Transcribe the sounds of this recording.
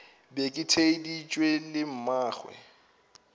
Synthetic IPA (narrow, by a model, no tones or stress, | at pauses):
bekʼɪtʰedit͡ʃʼwelɪm̩maːχwɛ̰